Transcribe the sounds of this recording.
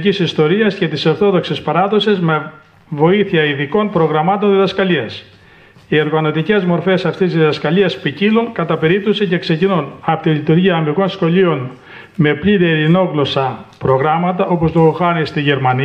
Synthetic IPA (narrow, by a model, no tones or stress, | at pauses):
cisist̪o̞ɾiɐsce̞t̪isɐɾθo̞ðoksespɐɾɐðo̞sezme | vo̞iθiɐiðiko̞npɾo̞ɣɾɐmɐt̪o̞nðiðɐskɐliɐs | ie̞ɾɣɐno̞t̪ice̞zmo̞ɾfe̞sɐft̪iszðiðɐskɐliɐspiciluŋkɐt̪ɐpe̞ɾip̚t̪o̞sice̞kse̞cinunɐpot̪ilit̪uɾʝiɐːmiɣo̞nsxo̞lio̞n | me̞pʎiɾeɾino̞ɣlo̞sɐpɾo̞ɣɾɐmɐt̪ɐʔo̞po̞st̪oxɐnist̪iʝe̞ɾmɐni